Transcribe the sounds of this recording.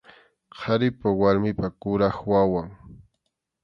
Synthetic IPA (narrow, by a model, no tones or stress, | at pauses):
qʰaɾɪpawaɾmɪpakʊɾaχwawaŋ